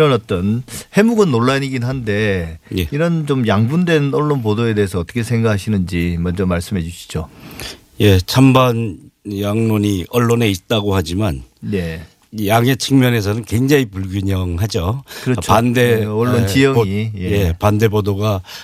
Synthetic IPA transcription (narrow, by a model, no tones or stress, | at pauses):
iɾʌnʌt͈ʌnhe̞muɡɯnːoɭːaɲiɡinɦande̞je̞iɾʌnt͡ɕomjaŋbundwe̞nʌɭːonpodoe̞de̞ɦesʰʌʌt͈ʌkʰesʰeŋɡakʰaɕʰinɯnd͡ʑimʌnd͡ʑʌmaɭs͈ɯmɦe̞d͡ʑuɕʰi̥d͡ʑo | je̞t͡ɕʰambanjaŋnoɲiʔʌɭːone̞it̚t͈aɡohad͡ʑimanne | ijaŋe̞t͡ɕʰɯŋmjʌne̞s̬ʰʌnɯnkweŋd͡ʑaŋipuɭɡiɲʌŋɦad͡ʑokɯɾʌt͡ɕpande̞ʌɭːonijʌŋijeje̞pande̞bodoɡa